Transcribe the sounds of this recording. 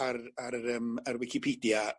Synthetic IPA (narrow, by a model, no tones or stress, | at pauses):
ararəːmarwɪkʰɪpʰiːdja